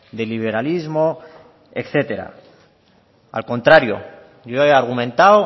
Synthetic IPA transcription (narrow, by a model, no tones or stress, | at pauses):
d̪eliβ̞e̞ɾalizmo̞ | ḛkθe̞t̪e̞ɾa̰ | a̰lkõ̞nt̪ɾaɾjo̰ | ʝoeaɾɣumẽ̞nt̪aw